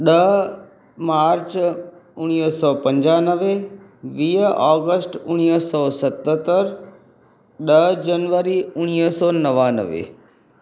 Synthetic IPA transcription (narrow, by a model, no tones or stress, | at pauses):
ɗɐ | maːɾt͡ɕʊɽ̃iːsɔːpɐ̃ɲd͡ʑaːnəʋe | ʋiːɦɔːɡəsʈʊɽ̃iːɦsɔːsɐt̪ət̪əɾ | ɗɐd͡ʑɐnʋəɾiʊɽ̃iːɦsɔːnɐʋaːnə̰ʋḛ